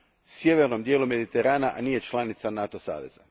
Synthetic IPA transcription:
sje̞ʋe̞ɾno̞md̪je̞ːlume̞d̪it̪eɾaːnaʔniːje̞t͡ʃlˠanit̪sanat̪o̞sa̰ːʋe̞̰z̥a

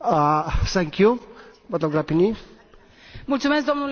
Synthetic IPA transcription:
sʰɛŋkjumɐt̪lɐb̚ɡɾapʰini | mut͡sumesd̪ɔmul

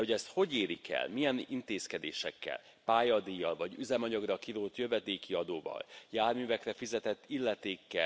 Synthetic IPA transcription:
oɛst̪ho̞ɟeːɾikɛ̰lmijɛnint̪eːskɛd̪ḛːʃɛkːɛ̰l | paːjɒd̪ijːɒlvɒɟyzɛmɒɲɒɡrɒkiɾuːlt̪jøvɛd̪eːkiɒd̪oːvɒ̰ljaːrmyːvɛkrɛfizɛt̪ɛt̪ːilːɛt̪eːkːɛ̰

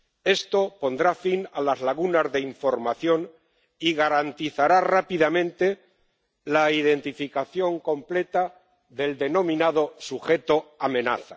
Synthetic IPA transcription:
e̞st̪o̞po̞nd̪ɾafinalazlaɣ̞unazðe̞iɱfo̞ɾmaθjo̞n | iɣaɾant̪iθaɾarapiðamẽ̞nt̪e̞ | laið̞e̞nt̪ifikaθjo̞ŋko̞mple̞t̪a | ðe̞ld̪e̞nõ̞mĩnað̞o̞suxe̞t̪oamẽ̞na̰θa

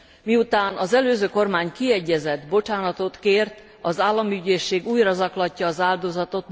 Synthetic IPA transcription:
miut̪aːnɒzɛløːzøːko̞rmaːɲkiɛɟːɛzɛd̪bo̞t͡ʃaːnɒt̪o̞t̪keːrt̪ | ɒzaːlːɒmyɟeːʃːeːɡuːjrɒzɒklɒcːɒːzaːld̪o̞zɒt̪o̞t̪

